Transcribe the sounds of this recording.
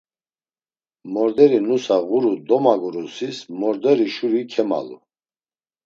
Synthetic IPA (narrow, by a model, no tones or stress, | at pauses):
mɔɾd̪ɛɾinusaʁuɾud̪ɔmaɡuɾusismɔɾd̪ɛɾiʃuɾikʰɛma̰lṵ